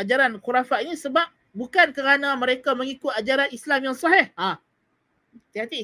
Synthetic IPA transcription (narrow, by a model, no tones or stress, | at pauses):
ad͡ʒaɾanxuɾafaʔinĩsəbap̚ | bukankəɾanãməɾekamə̃ŋikʊt̪̚ad͡ʒaɾanislamjaŋsɔɦɛha | t̪iat̪i